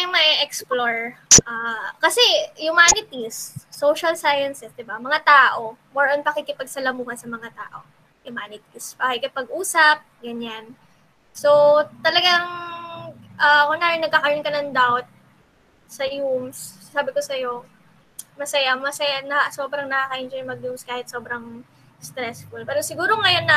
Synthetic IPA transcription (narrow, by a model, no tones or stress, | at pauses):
jʊŋmɐʔɛʔɛksploɹʔakɐsɛjʊmaːnɪt̪isːowʃɐlsajɐnsɛsd̪ɪbamɐŋat̪aːʔo̞moɹʔɐnpɐkɪkɪpɐɡ̚sɐlɐmuːhɐnsɐmɐŋat̪a̰ːʔo̞ | ʔɪmaːnɪt̪ispɐkɪkɪpɐɡʔuːsɐp̚ɡɐɲan | so̞t̪ɐlɐɡaŋ | ʔɐkoŋnaːɾɪnɐɡ̚kːɐkɐɾonkɐnɐŋd̪awt̪̚ | sɐjums | saːbɪko̞sɐjo̞ | mɐsɐjamɐsɐjanɐso̞ːbɾɐŋnɐkakɐʔɪnd͡ʒɛmɐɡ̚jumskaːhɪt̪̚so̞bɾɐŋ | st̪ɾɛsfulpɛːɾosɪɡuːɾo̞ŋɐjo̞nːɐ